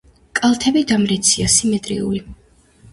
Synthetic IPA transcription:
kʼalˠt̪ʰɛbid̪amɾɛt̪sʰiasimɛt̪ʼɾḭṵɾi

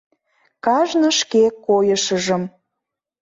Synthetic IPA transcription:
kɑʒnə̆ʃkekojəʃəʒə̆m

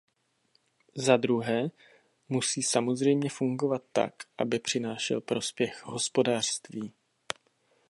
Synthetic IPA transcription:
zad̪ɾuɦɛː | musiːsamo̞zr̝ɛjmɲɛfuŋɡo̞vat̪ːa̰kʔabɪpr̝̥ɪnaːʃɛ̰lpɾo̞spjɛxɦo̞spo̞daːr̥st̪viː

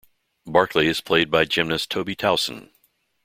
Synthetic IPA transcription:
bɑɹkʰliɨz̥pʰl̥eɪd̚baɪd͡ʒɪ̃mnɨstʰoʊbitʰaʊsn̩

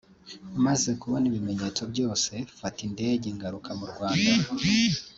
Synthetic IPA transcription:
amaze̞kuβoniβime̞ɲe̞ːt͡so̞bɟo̞ːse̞fatinde̞ːɟeŋɡaɾukʰamuɾɡwaːnda

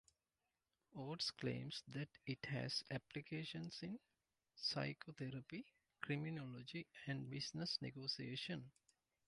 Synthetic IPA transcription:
oːɖsklḛ̃ːmsd̪æʈiʈhæ̰zæplikeːʃə̃nsĩn | sa̰ɪkʰot̪ʰeɾəpi | kɾiminolod͡ʒiæ̃ɳɖbisnəsnḛɡoːsieːʃə̃n

